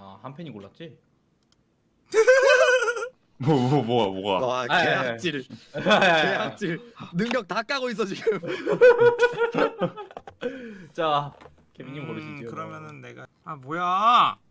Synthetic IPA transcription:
a̰hampʰeɲikoɭːat̚t͡ɕ͈i | mobomʌɡa̰boɡaakeɦak̚t͡ɕ͈iɭ | keɦak̚t͡ɕ͈iɭnɯŋɡjʌk̚tak͈aɡois̬͈ʌt͡ɕiɡɡɯm | t͡ɕa | kebiɲimkʌɾɯɕiekɯɾʌmjʌnɯnːe̞ɡa | aboja

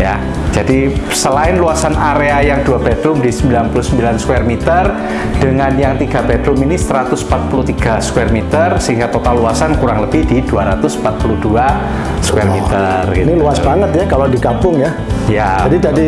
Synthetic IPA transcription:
ja̰ | d͡ʒadi | səlaɪnluasanaɾeajaŋduapɛd̥ɾʊmdisəmbilanpulusəmbilanskwɛrmit̪ər | d̥əŋanjaŋt̪iɡa̤pɛd̥lʊminisəɾat̪ʊsm̩pat̪̚pulut̪iɡ̥askwɛrmit̪ərsəɦiŋɡat̪ot̪alluasankuɾaŋləb̥idid̥uaɾat̪ʊsm̩pat̪̚puludua | skwɛrmit̪ərɡit̪niluasbaŋət̪̚jakalodikapʊŋja | jaadidadi

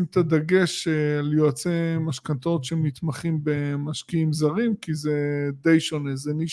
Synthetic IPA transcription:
mt̪ad̪aɡe̞ʃeljoat͡semaʃkat̪o̞tʃemit̪maχimbe̞maʃkiimzaʁimkized̪e̞jʃo̞ne̞zeni

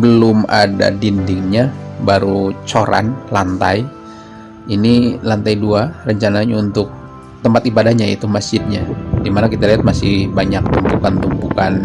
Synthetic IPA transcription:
bəlʊma̰da̰dindɪŋɲabaɾut͡ʃoɾa̰nlant̪a̰j | inilant̪ajduarəɲt͡ʃanaɲaunt̪ʊk̚ | t̪əmpat̪ibadahɲait̪umasd͡ʒɪt̪̚ɲadimanakit̪aliɦat̪̚masɪhbaɲak̚t̪umbukant̪umbukan

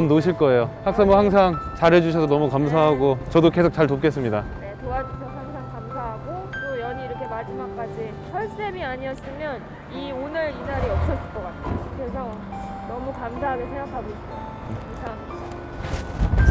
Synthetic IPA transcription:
ʌmnoɕʰiɭk͈ʌe̞johak̚s͈amohaŋsʰaŋt͡ɕaɾɦe̞d͡ʑuɕʰʌsʰʌnʌmukams̬ʰaɦaɡot͡ɕʌdoke̞sʰok̚t͡ɕ͈aɭtop̚k͈e̞s͈ɯmɲidane̞toad͡ʑuɕʰʌsʰʌhaŋsʰaŋkams̬ʰaɦaɡot͈ojʌɲiːɾʌkʰe̞mad͡ʑimak̚k͈ad͡ʑi | sʰʌɭs͈emiaɲiʌs͈ɯmjʌn | ionɯɾinaɾeʌp̚s͈ʌs͈ɯɭk͈ʌk͈atʰejokes̬ʰʌ | nʌmukamsʰaɦaɡesʰeŋɡakʰaɡoiɕʰ | isʰaŋ | a

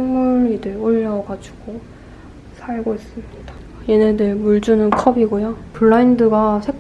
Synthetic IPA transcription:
ŋmuɾidɯɭoɭːaʌɡad͡ʑuɡ̥o | sʰaɭɡois͈ɯmɲid̥ḁ | jenedɯɭmuɭd͡ʑunɯnkʰʌbiɡojopuɭːaindɯɡasʰek

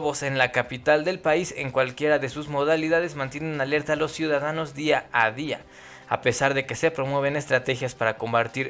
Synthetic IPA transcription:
βo̞se̞nlakapit̪ald̪e̞lpaise̞ŋkwalkje̞ɾaðe̞suzmo̞ðaliðaðe̞zmãnt̪je̞ne̞nale̞ɾt̪aːlo̞sjuðaðano̞zðiaaðia̰ | a̰pe̞saɾðe̞ke̞se̞pɾo̞mwe̞β̞e̞ne̞st̪ɾat̪e̞xjaspaɾako̞mbaɾt̪iɾ

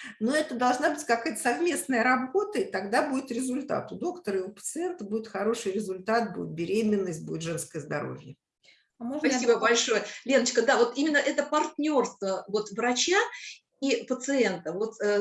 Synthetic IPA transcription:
noɛt̪əd̪ɐlˠʐnabɨtʲkɐkajət̪ə̥sɐvmʲe̞snəjəɾɐbo̞t̪əit̪ɐɡd̪abudʲɪt̪ɾʲɪzʊlʲt̪a̰t̪ʊd̪o̞kt̪əɾɪʊpət̪sɨɛnt̪əbudʲɪt̪xɐɾo̞ʂɨjɾʲɪzʊlʲt̪at̪̚bṵdʲɪt̪̚bʲɪɾʲejmʲɪnːəsʲt̚ʲbuɪt̪ʐɛnskəjəzd̪ɐɾo̰vʲjə | mɐsibəbɐlʲʂojəlʲe̞nət͡ɕkəd̪avo̞t̪imʲɪnːəʔɛt̪əpɐrtʲnʲo̞rst̪vəvo̞t̪vɾɐt͡ɕa | ipət̪sɨent̪əvo̞t̪

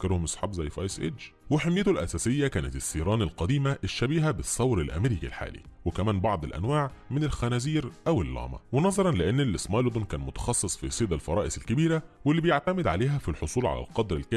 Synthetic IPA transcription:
keɾhomesˤħɑ̰bzæjːfʔɑ̰ːsʔḛːt͡ʃweħemjet̪olʔæ̰sæːsɪjːækæːnæt̪esːiːɾˤɑːnɪlqɑd̪iːmæʔeʃːæbiːɦæbesˤːɑwɾelʔæ̰meɾiːkilħa̰ːlḭwekæmæːnbɑʕd̪ˤelʔæ̰nwaːʕmɪnelxænæziːɾʔæwelːɑ̰ːmɑ̰wenɑzˤɑɾˤɑnlɪʔenːlesmɑjld̪onkæːnmot̪ɑ̥xɑsˤːesˤfisˤiːd̪ælfɑ̰ɾˤɑːʔesɪlkɪbiːɾæwelːibejaʕt̪æmɪd̪ʕaleːɦæfilħosˤuːlʕa̰læ̰lqɑd̪ɾelkæː

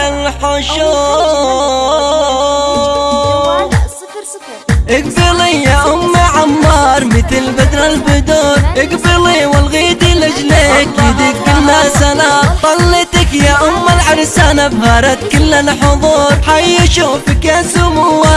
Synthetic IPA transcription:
alħʊʃoː | ʔɪɡbɪlijaʔʊmːaʕamːɑːɾˤmɪt̪ɪlbɪd̪ɾˤɑlbɪd̪oɾˤʔɪɡbɪɾliwɪlɣiːd̪ilɪd͡ʒlekjɪd̪ikʊlːasanat̪ˤːɑlːɪt̪ɪkjaʔʊmːalʕaɾsanabhaɾat̪kʊlːalħʊðˤuːɾˤħajːɪʃufɪkasʊmʊwa

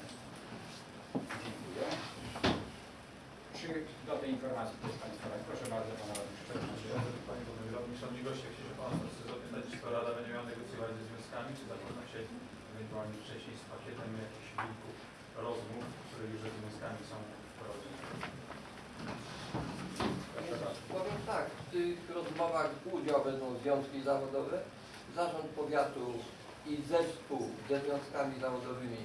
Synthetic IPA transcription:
d͡ʑeŋkujɛ | pʂɘd̪ɔt̪ɛjinfɔɾmat̪sʲit̪t̪ɾɛsp̪aɲ̃st̪ɔɾapɾɔʂɛbaɾd̪zɔpanaɾad̪uʂtɛɾad͡ʑɛjɔ̃ɛt̪upaɲɛd̪ɔd̪nɛmʲɾɔd̪ɲʲiʂɔmɲiɡɔɕt͡ɕɛkt͡ɕɛʐɛpant̪ɔxsɛzɔpʲɛ̃nd̪ad͡ʑiskɔɾad̪abɛɲd͡ʑɛmʲɛɔnɛɡɔt̪sʲjɔvaiɛzvʲjɔ̃w̃skamʲit͡ʂɨzakɔdnafɕɛ | ɔnɛjd̪ɔvaɲʲɛft͡ʂɛɕɲejspakʲɛt̪ɛmjakʲiɕvʲulkuf | ɾɔzmufkt̪uɾɛjuʐzɛzvʲjɔ̃skamʲisɔ̃w̃ | pɔɾɔd͡ʑɛ | ɔzapɔvʲjɛmt̪akft̪ɪxɾɔzmɔvaɣud͡ʑawbɛnd̪ɔ̃w̃zvʲjɔ̃w̃skʲizavɔd̪ɔvɛ | zaʐɔ̃nt̪̚pɔvʲjat̪u | izɛfspuwzɛzvʲjɔ̃w̃skamʲizavɔd̪ɔvɘmʲi

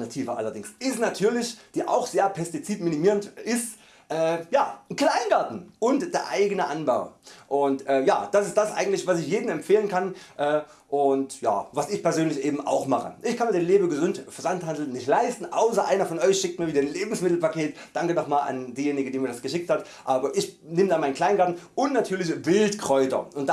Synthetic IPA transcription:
natʰiːvɐʔa̰lɐdɪŋsɪstnatʰyːɐlɪçd̥iːʔa̰ʊxz̥eːɐpʰɛstit͡siːtmɪnimiːʁəntʔɪst | ʔɛːjaːkl̥aɪnɡaɐtn̩ʔʊntd̥eːɐʔaɪɡənəʔanbaʊʔʊntʔɛːja̰ːd̥asɪstd̥asʔa̰ɪɡŋ̩tlɪçvasɪçjeːdn̩ɛmfeːlənkʰanʔɛː | ʔʊntja̰ːvasɪçpɛɐzøːnlɪçʔeːbm̩ʔa̰ʊxmaχə̰ʔɪçkʰanmiːɐdeɪnleːbəɡəzʏntfɛɐzanthandl̩nɪçtlaɪstn̩ʔaʊsɐʔa̰ɪnɐfɔnɔʏçʃɪk̚tmiːɐviːdɐnleːbm̩smɪtl̩pakeːtd̥aŋkənɔχmaːla̰ndiːjeːnɪɡədiːmiːɐdasɡ̥əʃɪk̚that | ʔaːbɐʔɪçnɪmdaːmaɪnkl̥aɪnɡaɐtn̩ʔʊntnatʰyːɐlɪçvɪltkʁ̥ɔʏtɐ̰ʊntd̥

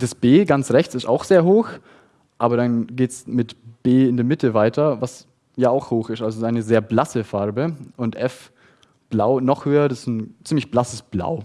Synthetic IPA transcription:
d̥asb̥eːɡant͡sʁɛçt͡sɪsta̰ʊxz̥eːɐɦoːx | ʔaːbɐɾanɡeːtsmɪtb̥eːɪndeːɐmɪtʰəvaɪtʰɐvas | jaːaʊxhoːxɪstʔalzoaɪnəzeːɐblasəfaɐbəʊntʔɛf | b̥laʊnɔχhøːɐdasɪ̥sn̩t͡siːmlɪçb̥lasəsb̥la̰ʊ

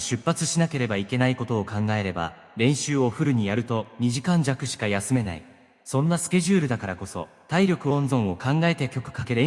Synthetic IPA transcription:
ɕɨpːat͡sɨɕinake̞ɾe̞baike̞naiko̞t̪o̞ːkãŋɡae̞ɾe̞ba̰ | ɾẽ̞ɰ̃ɕɨːo̞ɸɯ̟ɾɯ̟ɲ̟ijaɾɯ̟t̪o̞ɲ̟iʑikãɲ̟d͡ʑakɯ̟ɕi̥kajasɨme̞na̰ḭ | sõ̞nːasɨ̥kʲe̞ʑɨːɾɯ̟d̪akaɾako̞so̞̰ | t̪aiɾʲo̞kɯ̟õ̞nzõ̞ɰ̃o̞kãŋɡae̞t̪e̞kʲo̞kɯ̟̥kake̞ɾe

